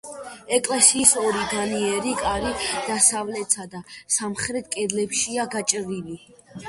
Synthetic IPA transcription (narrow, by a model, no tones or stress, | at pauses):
ɛkʼlɛsiːsɔɾiɡ̪aniɛɾikʼaɾid̪̥asavlɛt̪sad̪asamχɾɛt̪̚ʰkʼɛd̪lɛpʃiaɡat͡ʃʼɾili